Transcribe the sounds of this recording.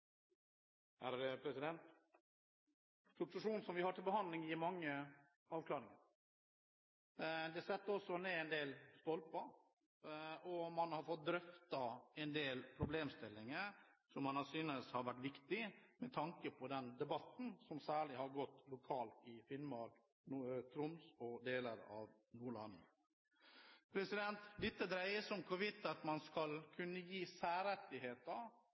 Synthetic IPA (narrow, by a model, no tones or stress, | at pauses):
hæɾəpʰɾɛsɪd̪ɛnt̪ | sʊt̪sʊʂuːnsɔmʋɪhɑʈʰɪlbəɦɑnd̪lɪŋjɪɾmɑŋːə | ɑːʋkʰlɑːɾɪŋəɾ | d̪ɛsɛt̪ːəɔsːɔneːɛnd̪eːlst̪ɔlpɑ | ɔmɑnhɑɾfɔt̪̚d̪ɾœft̪ɑɛnd̪eːlpʰɾʊbleːmst̪ɪlːɪŋəɾsɔmhɑnhɑsyːnəshɑɾʋæʈːʋɪkt̪ɪmɛt̪ʰɑŋkəpʰɔd̪ɛnd̪ɛbɑt̪n̩sɔmsæːɭɪhɑɾɡɔt̪ːlʊkʰɑːlt̪ɪfɪlmɑɾ | nt̪ʰɾʊmsɔd̪eːləɾɑ̰ʋ | nuːɭɑ̰nː | pʰɾɛsɪd̪ɛnt̪d̪ɪt̪ːəd̪ɾæɪəsɔmkʰɔʋɪt̪ːɑt̪mɑnskɑlkʰʉnːəjiːsæːɾɛt̪ːɪɦeːt̪ə